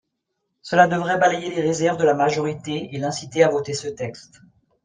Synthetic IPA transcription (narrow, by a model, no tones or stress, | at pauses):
səlad̪əvʁɛbalɛjeleʁezɛʁvd̪əlamaʒɔʁit̪eelɛ̃sit̪eavot̪esət̪ɛkst̪